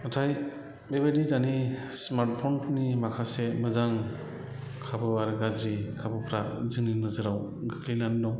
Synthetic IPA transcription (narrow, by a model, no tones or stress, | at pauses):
ɔtʰaj | bebadidani | smaɾt̚pʰɔntnimakʰasemɯzaŋ | kʰabɯaɾɯɡazɾikʰabɯpʰɾazɯŋninɯzɯɾawɡɯkʰlinandɔŋ